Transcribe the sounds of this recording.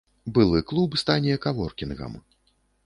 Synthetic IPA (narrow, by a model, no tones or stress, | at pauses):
bɨlˠɨklˠubɨst̪anʲijɛkavɔrkʲinɣɐ̰m